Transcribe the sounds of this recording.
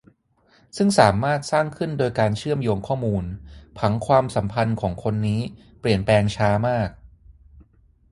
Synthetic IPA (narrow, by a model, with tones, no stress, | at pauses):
sɯ˥˩ŋsaː˩˦maː˥˩t̪̚saː˥˩ŋkʰɯ˥˩ndoː˧jkaː˧nt͡ɕʰɯ˥˩əmjoː˧ŋkʰɔː˥˩muː˧npʰa˩˦ŋkʰwaː˧msa˩˦mpʰa˧nkʰɔː˩˦ŋkʰo˧nːiː˦˥ | pli˨˩ənplɛː˧ŋt͡ɕʰaː˦˥maː˥˩k̚